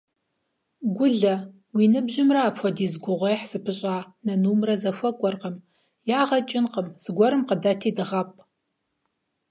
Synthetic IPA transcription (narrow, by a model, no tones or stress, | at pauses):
ɡʷʊɮɐ | wiːnɨbʑɪmraːpʰʷɐdiːzɡʷʊʁʷejħsɨpʰɨɕʼaːnɐnuːmrɐzɐfɐkʷʼɔrqəm | jaːʁɐt͡ʃʼɪnqəmz̥ɨɡʷɔɾɨmqədatʰiːdɨʁɐpʼ